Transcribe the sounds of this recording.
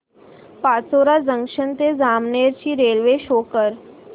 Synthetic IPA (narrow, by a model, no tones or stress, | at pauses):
pat͡soɾad͡zəŋkʂənt̪ed͡zamneɾt͡ɕiːɾelʋeɕokəɾ